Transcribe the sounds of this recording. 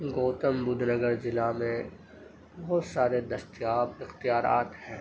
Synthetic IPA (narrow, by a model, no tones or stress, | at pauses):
ɡoːt̪əmbʊd̪ʱnəɡəɾzɪlamẽ | bɐɦɔt̪saːɾed̪ɐst̪jaːbɪxt̪ijaːɾa̰ːt̪hɛ̃ː